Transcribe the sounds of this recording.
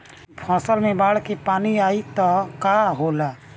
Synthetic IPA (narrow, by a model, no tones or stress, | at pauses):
pʰãːsəlmẽbaːɽkepaːniaːit̪ɔkaɦolaː